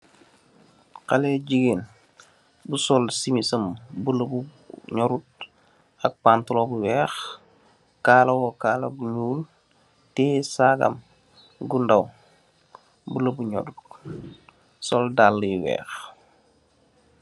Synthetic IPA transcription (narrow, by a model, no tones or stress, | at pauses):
qalɛɟiɡen | busɔlsimisɐmbuləbu | ɲɔɾut̚ | ɐk̚pantulɔbuwɛːx | kaːlɐwɔkaːlɐ̰buɲuːl | tɛsaɡɐ̰m | ɡundɐw | buləbuɲɔ̰dut | sɔldalːijwɛ̰ːx